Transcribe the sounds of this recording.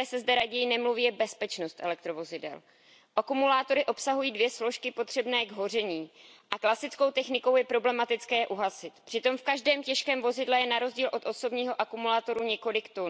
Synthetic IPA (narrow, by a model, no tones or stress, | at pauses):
ɛːsɛzdɛɾaɟɛjɪnɛmluviːjɛbɛspɛt͡ʃno̞st̪ʔɛlɛk̚t̪ɾo̞vo̞zɪdɛ̰l | ʔakumulaːt̪o̞ɾɪʔo̞psaɦujiːdvjɛslo̞ʃkɪpo̞t̪r̥ɛbnɛːɡɦo̞r̝ɛɲiːʔaklasɪt͡sko̞wt̪ɛxnɪko̞wjɛpɾo̞blɛmat̪ɪt͡skɛːʔuɦasɪt̪pr̥ɪt̪o̞mfkaʒdɛːmcɛʃkɛːmvo̞zɪdlɛjɛnaɾo̞zɟiːlʔo̞t̪ʔo̞so̞bɲiːɦo̞ʔakumulaːt̪o̞ɾuɲɛko̞lɪkt̪o